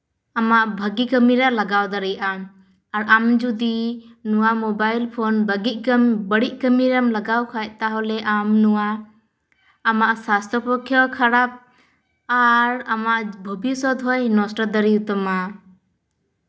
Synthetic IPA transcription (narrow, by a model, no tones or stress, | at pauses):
amaʔbʱəɡikəmiɾalaɡawd̪əɾijʔam | aɾamd͡ʒud̪inuwamɔbajlpʰɔnbəɡiʔbəɽiʔ̚kəmiɾamlaɡawkʰajt̚ˀt̪aɦɔlɛʔamnuwa | maʔsast̪ʰɾɔpɔkʰːjɔkʰaɾap̚ | aɾamaʔbʱɔbisɔd̪ɦɔjnɔsʈəd̪əɾiwt̪ɔma